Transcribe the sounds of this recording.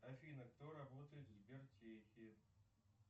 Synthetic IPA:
ɐfʲinɐkt̪oɾɐbot̪əjɪt̪zʲbʲert͡ɕexʲiɪ

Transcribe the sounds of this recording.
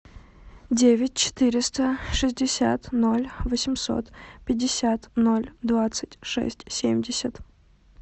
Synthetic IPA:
dʲevʲɪtʲt͡ɕɪ̥t̪ɨɾʲɪst̪əʂɨzʲdʲɪsʲa̰t̪no̞lʲvəsʲɪmso̞̰t̪pʲɪdʲːɪsʲat̪nolʲd̪vat̪sɨtʲʂɛ̰sʲtʲsʲḛmʲdʲɪsʲət̪

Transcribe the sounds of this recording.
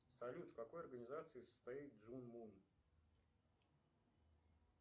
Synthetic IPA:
sɐlʲut̪fkɐko̞jɐrɡənʲɪzat̪sɨɪːsə̥st̪ɐit̪̚d̪zunmun

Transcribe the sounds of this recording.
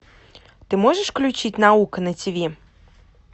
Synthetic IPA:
t̪ɨmɔʐɛʂklʲut͡ʃit͡sʲnaukɐnɐt͡sʲabʲɛ

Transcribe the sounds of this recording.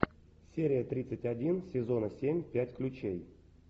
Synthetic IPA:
sʲeɾʲɪjət̪ɾʲit̪sɨtʲadʲinsʲɪzo̞nəsʲemʲpʲætʲklʲʊt͡ɕej

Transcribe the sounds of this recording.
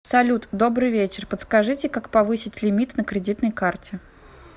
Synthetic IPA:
sɐlʲut̪d̪o̞bɾɨjvʲet͡ɕɪrpət̪skɐʐɨtʲɪkakpɐvɨsʲɪtʲlʲɪmʲit̪nəkɾʲɪdʲit̪nəjkartʲɪ

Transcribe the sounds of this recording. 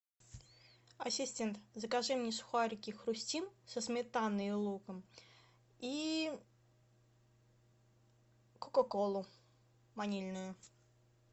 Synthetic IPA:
ɐsʲɪsʲtʲent̪zəkaʐɛmnʲɪsxʊaɾʲɪkʲixɾʊsʲtʲimsəsmʲɪt̪anːɨjʊlˠukəm | i | kʊkokolˠʊ | manʲilʲnʊjʊ

